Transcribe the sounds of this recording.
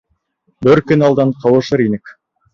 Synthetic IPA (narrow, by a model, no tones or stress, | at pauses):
bɪɾkʲɵnɑlˠd̪ɑɴqʰɑwə̆ʃəɾinɪk